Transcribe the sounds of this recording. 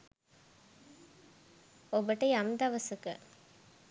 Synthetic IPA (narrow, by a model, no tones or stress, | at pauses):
ɔbɐʈːɐɪɐmd̪aʋɐsɯkːɐ̰